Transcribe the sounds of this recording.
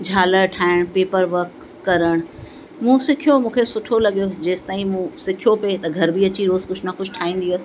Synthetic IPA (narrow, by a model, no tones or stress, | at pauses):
d͡ʑʱaːləɾʈʰaːɪɽ̃peːpəɾʋəɾkː | ɐɾəɽ̃ | mũsɪkʰijomũːkʰesʊʈʰolɐɠijod͡ʑeːst̪aːĩmũsɪkʰijopet̪ɐɡʱɐɾbiɐt͡ɕiɾoːzkʊd͡ʑʰʱnɐxʊd͡ʑʰʱʈʰaːĩːn̆d̪iɐs